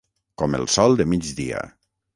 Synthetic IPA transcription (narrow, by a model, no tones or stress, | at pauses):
kɔmə̰lˠsɔlˠd̪əmid͡ʒdia̰